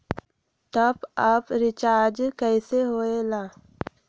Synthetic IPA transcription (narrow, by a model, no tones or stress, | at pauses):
t̪ɐbapɾɪt͡ʃaːɾd͡ʒkəiseɦoːelaː